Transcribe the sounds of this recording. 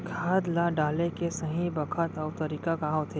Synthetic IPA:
kʰaːd̪lãɖaːlekesɐɦĩbɐkʰət̪ɔːwt̪ɐɾiːkakaːɦõt̪ʰeː

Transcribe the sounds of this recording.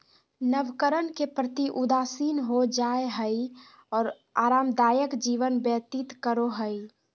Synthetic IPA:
nəʋkəɾənkepɾət̪iʔʊd̪aːsiːnɦod͡ʒaːeɦəi | ɔːɾ | aːɾaːmd̪aːjəkd͡ʒiːʋənbjət̪it̪kəɾoɦəi

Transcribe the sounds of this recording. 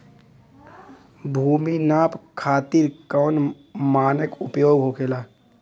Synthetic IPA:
bʱuːminaːpkʰaːt̪iːɾkɔːn | maːnəkʊpjoːɡɦokʰeːlaː

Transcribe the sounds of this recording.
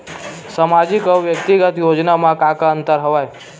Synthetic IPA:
samad͡ʒikəʋjəkt̪iɡət̪jod͡ʒnamãkakaənt̪əɾɦəʋaj

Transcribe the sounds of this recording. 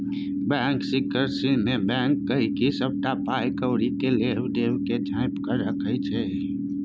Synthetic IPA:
bɛ̃ːŋksɪkːəɾsimẽbɛ̃ːŋkːəɦikisəb̚ʈapaːjkəʊɽikeleːwɖeːwked͡ʒʱaːɪpkəɾəkʰət͡ʃʰɛ

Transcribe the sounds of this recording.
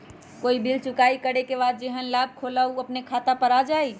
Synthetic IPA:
koibʱilt͡ʃukaikəɽekebad̪̚d͡ʒeɦənlab̚kʰoləuəpnekʰat̪apəɾad͡ʒaj

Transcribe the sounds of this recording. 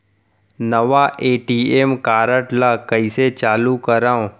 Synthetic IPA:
nɐʋaʔeːʈiːemkaːɾəʈlakɐiset͡ʃaːlukɐɾaːõ

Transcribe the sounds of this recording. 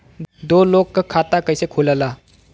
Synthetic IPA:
d̪olokːəkʰːat̪akəjsekʰuləla

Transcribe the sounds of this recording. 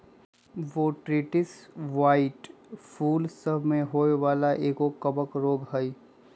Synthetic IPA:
ʋoʈɾiʈɪsʋaːɪʈpʰuːlsəbʱmẽɦoːeʋaːlaʔeːkokəbəkɾoːɡɦəj

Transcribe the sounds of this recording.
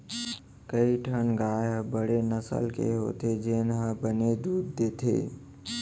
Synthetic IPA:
kəiʈʰənɡaːjbəɽenəsə̰lkḛɦo̰ːt̪ed͡ʒeːnɦəbəned̪uːd̪ːeːt̪ʰḛː

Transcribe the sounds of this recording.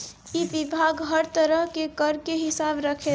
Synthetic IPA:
ibibʱaɡɦəɾt̪əɾəɦkekəɾkeɦɪsabɾəkʰe

